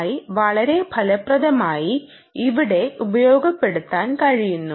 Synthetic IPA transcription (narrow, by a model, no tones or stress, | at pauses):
jiʋɐɭɐɾe̞bʱɐlɐprɐðɐmaːji | iʋiɽe̞ubɐjo̞ːɡɐpːe̞ɽut̪ːaːnkɐɻijunːu